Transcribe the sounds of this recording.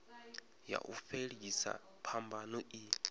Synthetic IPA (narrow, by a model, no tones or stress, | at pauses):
ja̰ʔufeɺisa̰ | pʰambanoi